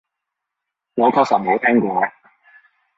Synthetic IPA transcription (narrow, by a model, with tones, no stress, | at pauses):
ŋɔ˨˧kʰɔ˥k̚sɐ˨˩mo˨˥wt̪ʰɛː˥ŋkʷɔː˧˨